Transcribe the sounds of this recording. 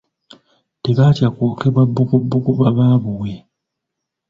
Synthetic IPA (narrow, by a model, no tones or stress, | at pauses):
teβaːtjakwo̞ːke̞βwabːukubːukuβaβaːβuwe̞